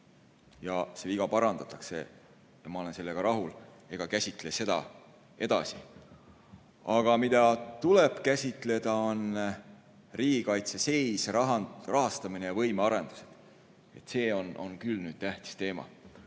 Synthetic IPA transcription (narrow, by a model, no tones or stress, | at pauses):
jɑseiɡ̥ɑpɑɾɑnd̪ɑt̪ːˑɑksḛ | jɑmɑo̞le̞nse̞lːe̞ɡ̥ɑɾɑɦul | e̞ɡ̥ɑkæsʲit̪ˑle̞se̞d̪̥ɑ̰ | e̞d̪ɑ̰sḭ | ɑɡ̥ɑmid̪ɑt̪uleb̥kæsʲit̪ˑle̞d̪̥ɑo̞n | riːɡ̥ikɑjt̪sese̞jsrɑɦɑrɑɦɑst̪ɑminejɑvɤ̞jmeɑɾe̞nd̪̥u̥se̞d̪̥ | et̪ːse̞ːo̞no̞̰nkylnyːd̪̥̚t̪æht̪i̥st̪e̞ːmɑ̰